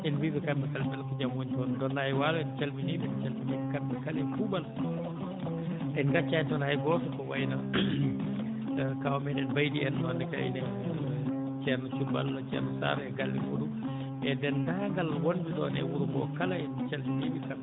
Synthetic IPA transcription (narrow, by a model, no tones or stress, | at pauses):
ɛnwizɛkambɛkalbɛlkud͡ʒamwuɲtɔndɔnːajwalɔɛnt͡ʃalminibint͡ʃalmimikambɛkalɛfubal | ʔɛnɡat͡ʃːajtɔnhajɡɔsɔkɔwa̰jna | kawɔmɛɗɛnbajdiɛnɔnːɛka̰ḭnɛ | t͡ʃɛɾnɔt͡ʃuba̰lɔt͡ʃɛ̰ɾnɔsa̰ɾɔɛɡalːɛ̰fudu | ʔɛdɛndaŋɡalwonbiɗɔ̰nɛ̰wuɾumɡɔ̰kalaɛnt͡ʃalminibika